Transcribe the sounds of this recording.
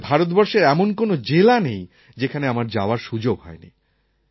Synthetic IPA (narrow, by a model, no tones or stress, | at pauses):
bʱaɾot̪bɔɾʃeɾɛmonkonod͡ʑelanej | d͡ʑekʰaneamaɾd͡ʑaoaɾʃud͡ʑoɡɦɔ̰enḭ